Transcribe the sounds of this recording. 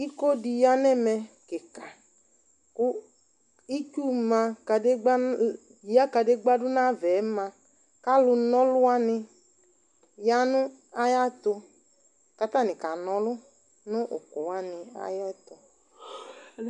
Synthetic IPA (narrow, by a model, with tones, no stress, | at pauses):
i˦ko˦di˨ja˦nɛ˦mɛ˨ke˨ka˨ | kʊ˦ | i˦t͡ʃu˦mã˧ka˨de˦ɡ͡b | ja˦ka˨de˦ɡ͡ba˦dʊ˦nã˦vɛ˨˦mã˧ | ka˦lʊ˧nɔ˦lʊ˦a˦nɪ˧ | ja˦nʊ̃˦ | a˦ja˦t̪ʊ˧ | ka˨t̪a˦nɪ̃˨ka˨nɔ˨lʊ˦ | nʊ̃˦ʔʊ̰˨ku˨wa˦nɪ˨a̰˨jɔ˦t̪ɔ˨